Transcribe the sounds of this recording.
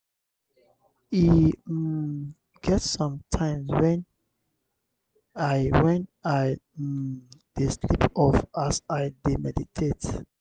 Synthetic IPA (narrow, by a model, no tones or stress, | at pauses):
i | ɡɛtsɔ̃mtʰãɪ̃mswɛ̃n | aɪwɛ̃naɪ | d̥eslipɔfasaɪdemɛditʰet